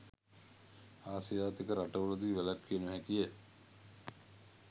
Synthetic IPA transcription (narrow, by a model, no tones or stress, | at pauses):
aːsijaːt̪ikəɾaʈəʋuləd̪iːʋelatkʰiənʋɦækijə